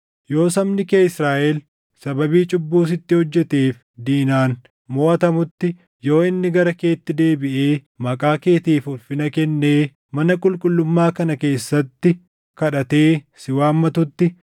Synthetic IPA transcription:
jo̞ːsɐmnɪkeːɪsɾaːʔɛl | sɐbɐbiːt͡ʃʼʊbːuːs̬ɪt̪ːɪhɔd͡ʒːɛt̪eːf | d̪iːnaːn | moːʔɐt̪ɐmʊt̪ːɪ | jo̞ːɪnːɪɡɐɾɐke̞ːt̪ːɪd̪e̞ːbɪʔe̞ː | mɐkʼaːke̞ːt̪eːfʊlfɪnɐkɛnːeː | mɐnɐkʼʊlkʼʊlːʊmːaːkɐnɐke̞ːsːɐt̪ːɪ | kɐᶑɐt̪e̞ː | sɪwaːmːɐt̪ʊt̪ːɪ

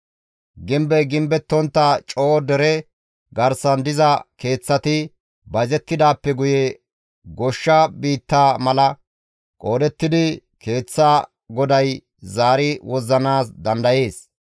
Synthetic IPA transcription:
ɡɪmbɛɡɪmbɛt̪ːɔnt̪ːɐt͡ʃʼo̞ːd̪ɛɾɛ | ɡɐɾsɐnd̪ɪzɐke̞ːt͡sːɐt̪ɪ | bɐzɛt̪ːɪd̪aːpːɛɡʊjɛ | ɡɔʃːɐbiːt̪ːaːmɐlɐ | kʼo̞ːd̪ɛt̪ːɪd̪ɪke̞ːt͡sːa | ɡɔd̪ɐj | zaːɾɪwɔzːɐnaːsd̪ɐnd̪ɐje̞ːs

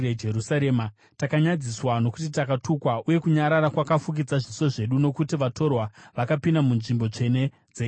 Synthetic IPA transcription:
ed͡ʒerusaɾeːma | takaɲad͡ziswano̞kutitakatukwauje̞kuɲaɾaɾakwakafuk̬id͡zaʐiso̞ʐe̞ɗuno̞kutiʋatʰo̞rwaʋakapindamunʐimbo̞t͡ʂe̞ne̞ | d͡ze

